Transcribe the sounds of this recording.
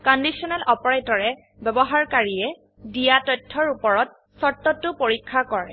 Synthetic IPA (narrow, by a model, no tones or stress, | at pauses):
kɔndisiɔnɛlʔɔpɔɹetɔɹɛ | bɛbɔɦaɹkaɹiɛ | dijatɔtʰːɔɹupɔɹɔt̚ | sɔtːɔtːʊpoɹikʰːakɔɹɛ̰